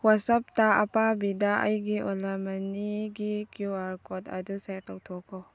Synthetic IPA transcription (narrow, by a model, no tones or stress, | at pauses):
wasɐp̚taɐpabidaʔa̰jɡiʔɔlamɐniɡikjuaɾkɔtɐ̰dusajɾtawtʰɔkʰːɔ